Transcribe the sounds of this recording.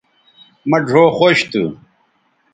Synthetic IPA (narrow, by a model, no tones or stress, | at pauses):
mɐɖʱoːxoːɕt̪ṵ